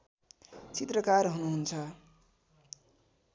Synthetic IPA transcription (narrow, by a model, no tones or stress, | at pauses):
t͡sit̪rʌkarɦunuɦunt͡sʰʌ